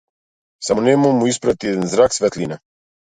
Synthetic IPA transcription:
samɔnɛmɔmuispɾat̪iɛd̪ɛnzɾaksvɛt̪lina

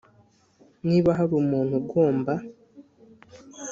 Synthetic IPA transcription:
niːβaɦaɾumuːn̥huɡwoːmba

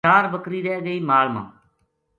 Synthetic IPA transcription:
aːɾbəkɾiːɾɛːɡəiːmaːlmã̰ː

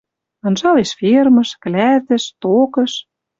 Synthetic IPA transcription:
ɤ̆nʒɑleʃfirmɤ̆ʃklæt̪ɘ̆ʃt̪okɤ̆ʃ

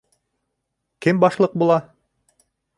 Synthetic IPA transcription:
kɘmbɑʃlˠɤq̚bulˠɑ

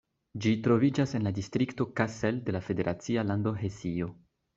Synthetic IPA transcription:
d͡ʒitɾo̞vid͡ʒase̞nladistɾikto̞kaselde̞lafe̞de̞ɾʔat͡sialando̞ɦe̞sio̞

